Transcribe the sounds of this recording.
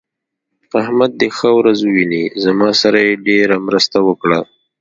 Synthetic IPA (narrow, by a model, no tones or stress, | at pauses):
ahmad̪̚ːexəwɾazwinizamɑsaɾajeɖeɾamɾəst̪awəkɽa